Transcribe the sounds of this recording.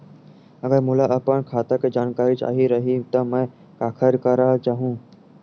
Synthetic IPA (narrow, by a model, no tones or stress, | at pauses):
ɐɡəɾmʊlaʔəpəɳkʰaːt̪aked͡ʒaːnkaːɾit͡ʃa̰ːɦiɾɐɦit̪ɐmɛ̃ː | kaːkʰəɾkəɾat͡ʃaːɦũː